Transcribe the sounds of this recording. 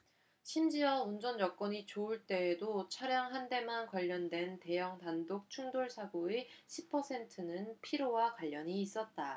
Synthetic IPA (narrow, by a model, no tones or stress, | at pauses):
ɕʰimd͡ʑiʌund͡ʑʌnjʌk̚k͈ʌɲit͡ɕoɯɭt͈e̞ːdot͡ɕʰaɾjaŋɦande̞mankʌʎːʌndwe̞nte̞jʌŋtandok̚t͡ɕʰuŋdoɭsʰaɡoeɕʰipʰʌsʰe̞ntʰɯnɯnpʰiɾowakwaʎːʌɲiːs͈ʌt̚t͈a